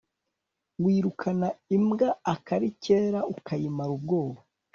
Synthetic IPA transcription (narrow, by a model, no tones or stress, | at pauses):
wiːɾukʰanaimɡaːkaɾiceːɾaukajimaɾub̚ɡo̞ːɾo